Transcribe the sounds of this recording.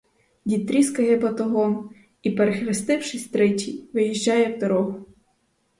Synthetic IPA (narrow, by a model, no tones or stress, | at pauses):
dʲit̪ɾʲiskɐjɛbɐt̪ɔɦɔn | ipeɾexɾɪst̪ɪwʃɪsʲt̪ɾɛtʲijʋɪjiʒʲd͡ʒːɑjɛwd̪ɔɾɔɦʊ